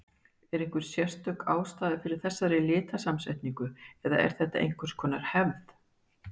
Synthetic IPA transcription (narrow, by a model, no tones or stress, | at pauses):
ɛɾeŋ̥kɪɾ̥sjɛr̥t̪œkaːwst̪aːðɪfɪɾɪɾ̥θɛsːaɾɪlɪːt̪asamsɛht̪niŋkʏɛða̰ɛ̰ɾ̥θɛht̪ːa̰ʔḛjn̥kʏskʰɔːnaɾ̥hɛvð